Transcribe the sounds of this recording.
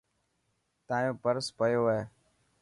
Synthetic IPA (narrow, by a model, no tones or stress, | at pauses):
t̪ãːjõːpəɾspəjoːeː